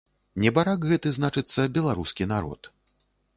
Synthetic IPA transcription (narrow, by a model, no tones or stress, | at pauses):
nʲɛbaɾakɣɛt̪ɨznat͡ʂɨt̪sːɐbʲɛlˠaɾuskʲinaɾɔ̰t̪